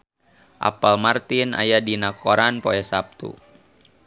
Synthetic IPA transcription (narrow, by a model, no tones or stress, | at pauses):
ʔa̰palmart̪ina̰jadinakʰɔɾanpoɛsap̚t̪ṵ